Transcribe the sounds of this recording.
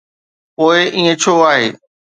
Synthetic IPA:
poːɪʔiːẽt͡ɕʰoːaːɦeː

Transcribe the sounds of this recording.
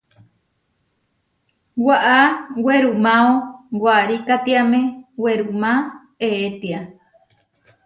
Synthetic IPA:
waʔaweɾumãowaɾikat̪iamẽweɾumã | eet̪ia

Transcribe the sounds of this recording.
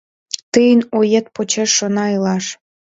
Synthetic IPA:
t̪ɨjənojet̪̚pot͡ɕeʃːonɑilɑʃ

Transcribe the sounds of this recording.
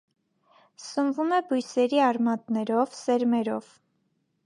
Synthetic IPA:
səmvumɛbujsɛɾiɑɾmɑt̪nɛɾɔvsɛɾmɛɾɔ̰v̥

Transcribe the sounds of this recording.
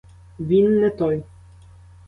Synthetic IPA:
vʲinːɛt̪ɔj

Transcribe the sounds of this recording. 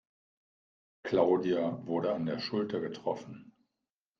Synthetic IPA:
kl̥aʊdiavʊɐɾəandeːɐʃʊltɐɡətʁ̥ɔfn̩

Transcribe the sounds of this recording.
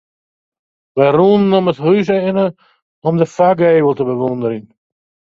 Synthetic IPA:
ʋɛjruːnnɔmətɦys̬əɪnə | ɔmdəfaɡeːwəlˠtəbəʋɔndəɾiŋ

